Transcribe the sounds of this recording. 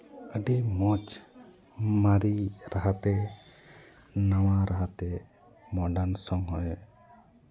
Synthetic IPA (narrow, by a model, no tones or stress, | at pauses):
ʔəɖimɔt͡ʃ | maɾiɾaɦat̪ɛ | naw̃aɾaɦat̪ɛ | mɔɖansɔŋɦɔj